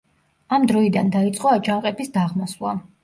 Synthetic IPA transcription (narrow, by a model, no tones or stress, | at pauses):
amd̪ɾɔid̪and̪ait̪sʼqʼɔad͡ʒaŋqʼɛbisd̪aʁmɔslˠa̰